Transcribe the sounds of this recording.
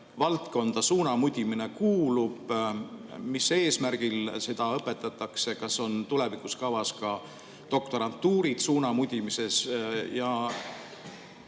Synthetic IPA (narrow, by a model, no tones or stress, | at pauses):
vɑlt̪ko̞nd̪̥ɑsuːnɑmud̪ʲimine̞kuːlub̥ | mise̞ːsmærɡ̥ilse̞d̪̥ɑɤpːˑe̞t̪ːˑɑt̪ːˑɑkse̞kɑso̞nt̪ule̞vikˑuskɑvɑskɑ | d̪̥o̞k̚t̪o̞ɾɑnt̪ːuːɾit̪suːnɑmud̪ʲimise̞sjɑ